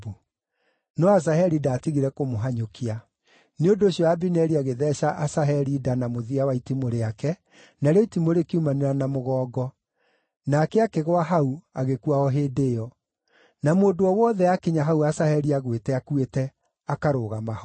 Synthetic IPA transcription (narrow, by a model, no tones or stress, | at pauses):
nɔas̬aɦɛɾidaːtiɣiɾɛkomoɦaɲokia | neondoːɕjɔabinɛɾiaɣeðɛʃaʔasaɦɛɾidanamoðiawaitimoɾeakɛ | naɾɔitimoɾekiumaneɾanamoɣɔːɡɔ | nakɛakeɣwaɦauaɣekuaɔɦeːdeɔ | namoːdoɔwɔðɛakeɲaɦauasahɛɾiaɣwetɛakwetɛ | akaɾoɣamah